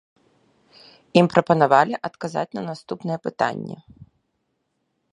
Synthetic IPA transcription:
impɾɔpɐnʊʋɑlʲɪʔɐt̪kɐzɑ̰tʲnɐnɐst̪upnɛjɛpɪt̪ɑ̰nʲːɐ̰

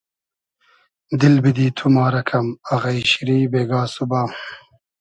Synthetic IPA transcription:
d̪ilbid̪iːt̪ʰumaːɾɐkʰɐmɐɣɐiɕiɾiːbeːɡaːsubaː

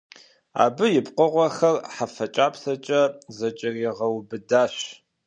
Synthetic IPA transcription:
a̰ːbɨjɪpqʷəʁʷɔxɐrħafɐt͡ʃʼaːpsɐt͡ʃʼɐzɐt͡ʃʼɪriʁɐwbɨdaːɕ

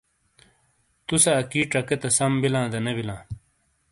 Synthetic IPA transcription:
t̪usɐːkiːʈɐket̪ɐsɐmbilãːd̪ɐnɐbilãː

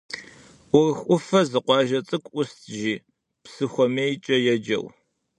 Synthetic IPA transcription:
ʔʷʊrɨxʷʼʊfɐzɨqʷɑːʒɐt͡sʼɨkʷʰʼʔʷʊstʰʒiː | psɨxʷɔmeːjt͡ʃʼɐjɛd͡ʒɐ̰w

